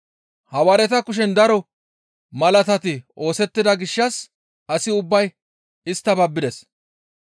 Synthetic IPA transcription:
hɐwɐɾɛt̪ɐkʊʃ̬ɛnd̪ɐɾɔ | mɐlɐt̪ɐt̪ɪʔo̞ːsɛt̪ːɪd̪ɐɡɪʃːɐs | ɐsɪʊbːɐj | ɪst̪ːɐbɐbːɪd̪ɛs

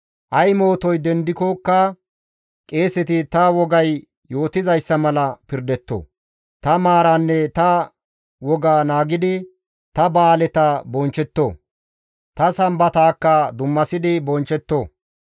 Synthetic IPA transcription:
ʔɐjmo̞ːt̪ɔjd̪ɛnd̪ɪkokːɐ | kʼe̞ːsɪt̪ɪt̪ɐwɔɡɐj | jo̞ːt̪ɪzɐjsːɐmɐlɐpɪɾd̪ɛt̪ːo̰ː | t̪ɐmaːɾanːɛt̪ɐ | wɔɡaːnaːɡɪd̪ɪ | t̪ɐbaːlɛt̪ɐbɔnt͡ʃːɛt̪ːo̰ː | t̪ɐsɐmbɐt̪aːkːɐd̪ʊmːɐsɪd̪ɪbɔnt͡ʃɛt̪ːoː

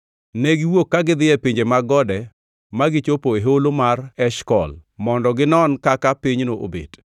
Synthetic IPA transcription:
neɡiwokːaɡɪd̪ɪɛpiɲd͡ʒemaɡɔdɛ | maɡɪt͡ʃopoeɦolomarɛʃkɔ̰lmɔndɔɡɪnɔnkakapiɲnoʔo̰bḛd̥

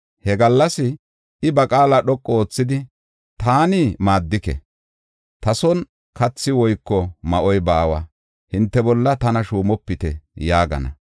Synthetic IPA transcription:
hɛɡɐlːɐsɪ | ɪbɐkʼaːlɐɗɔkʼːɔoːt͡sːɪd̪ɪ | t̪aːnɪmaːd̪ːɪkɛ̰ | t̪ɐsɔn | kɐt͡sːɪwɔjkːɔmɐʔɔjbaːwɐ | hɪnt̪ːɛbɔlːɐt̪ɐnɐʃuːmɔpːɪt̪ɛ̰jaːɡɐ̰nɐ̰

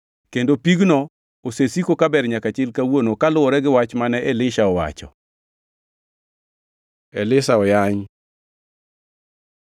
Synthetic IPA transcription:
kendopiɡnɔ | osesikokabɛɾɲakat͡ʃɪlkawonokalʊɔɾɛɡɪwat͡ʃmanɛʔɛlɪʃaɔwa̰t͡ʃɔ̰ | ɛlɪsaɔjaɲ

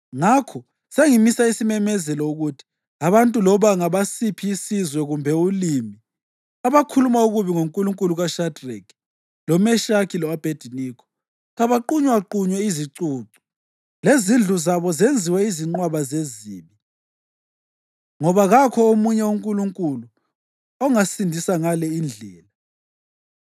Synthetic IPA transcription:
ŋakʰɔ | seŋimisaisimɛmɛzɛlɔuɣutʰi̥ | aβantʼulɔβaŋaβasipʰiːsizwɛɣumbʱɛulimi | aβakʰulumauɣuβiŋoŋkʼuluŋkʼuluɣaʃadrɛ̰k | lɔmɛʃakʰilɔab̥ʱed̥ʱiniːkʰɔ̥ | ɣaβaǃuɲwaǃuɲwɛiziǀuːǀu̥ | lezind͡ɮʱuzaβɔzend͡zʱiwɛiziŋ͡ǃwaβazeziːmi | ŋɔβaɣakʰɔomuɲɛuŋkʼuluŋkʼulu | ɔŋasindʱisaŋalɛind͡ɮʱɛːla

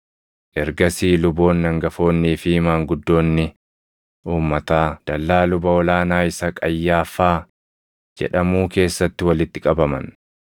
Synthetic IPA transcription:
ʔɛɾɡɐsiːlʊbo̞ːnːɐŋɡɐfo̞ːnːiːfɪɪmaːŋɡʊd̪ːo̞ːnːɪ | ʔuːmːɐt̪aːd̪̥ɐlːaːlʊbɐɔlaːnaːɪsɐkʼɐjːaːfaː | d͡ʒɛ̰ᶑɐmuːke̞ːsːɐt̪ːɪwɐlɪt̪ːɪkʼɐbɐmɐ̰n

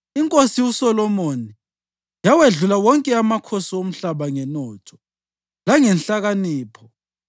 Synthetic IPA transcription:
iŋkʼosiusɔlɔmoni | jaweɮulawɔŋkʼɛamakʰosiom̩ɬaβaŋɛnɔːtʰɔ̥ | laŋɛnɬaɣaniːpʰɔ

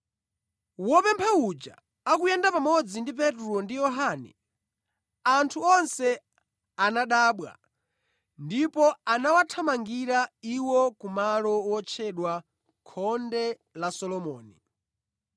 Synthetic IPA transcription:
wɔpɛmpʰaud͡ʒa̰ | akujɛndapamɔd͡zindip̬ɛtuɾɔndijɔɦaːnɛ̰ | antʰuɔnsɛ | anaɗaːɓwa̰ | ndipɔanawatʰamaŋɡiɾaiwɔkumalɔwɔt͡ʃʰɛɗwa | kʰɔndɛ | lasɔlɔmɔːnḭ

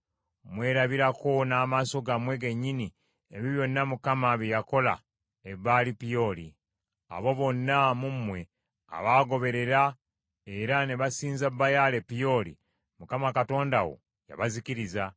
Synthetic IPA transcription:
mwe̞ːɾaβiɾako̞naːmaːso̞ɡamwe̞ɡe̞ɲːini | eβiβjo̞nːamukamaβejako̞la̰ | eβaːlipijo̞ːli | a̰βo̞βo̞nːamumwe̞ | a̰βaːɡo̞βe̞ɾe̞ɾa | e̞ɾane̞βasiːnzabːajalepijo̞ːlḭ | mukamakato̞ːndawo̞̰ | ja̰βaziciɾiza

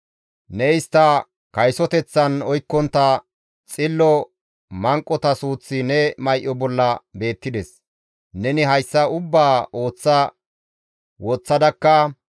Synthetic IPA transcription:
nɛɪst̪ːɐ | kɐjsɔt̪ɛt͡sːɐnɔjkːɔnt̪ːɐ | t͡sʼɪlːɔ | mɐŋkʼːɔt̪ɐsuːt͡sːɪnɛmɐjʔːɔbɔlːɐbe̞ːt̪ːɪd̪ɛs | nɛnɪɦɐjsːɐʊbːaːo̞ːt͡sːɐ | wɔt͡sːɐd̪ɐkːɐ

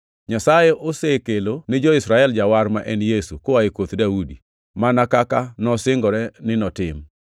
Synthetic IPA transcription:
ɲasajeʔosekelonɪd͡ʒoɪsɾaɛld͡ʒawaɾmaʔɛnjesukoaekot̪daudi | manakakanɔsɪŋɡɔɾɛnɪnɔtɪm

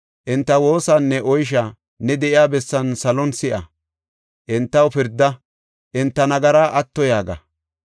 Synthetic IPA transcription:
ʔɪnt̪ːɐwo̞ːsanːɛʔɔjʃ̬a | nɛd̪ɛʔɪjaːbɛsːɐnsɐlɔnsɪʔɐ̰ | ʔɪnt̪ːɐwpɪɾd̪ːɐ | ʔɪnt̪ːɐnɐɡɐɾaːʔɐt̪ːɔjaːɡɐ̰

